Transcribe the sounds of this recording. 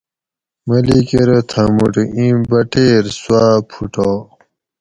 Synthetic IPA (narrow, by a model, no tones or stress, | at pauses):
mɐlikeɾet̪ʰɐmuʈĩbɐʈeːɾswaːpʰuʈoː